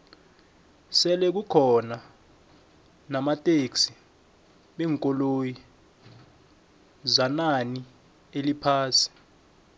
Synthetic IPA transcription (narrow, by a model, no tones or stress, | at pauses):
sɛlɛk̬ukʰɔna | namatʼeksi̥ | ɓɛːŋkʼɔloji | zanani | elipʰaːsi̥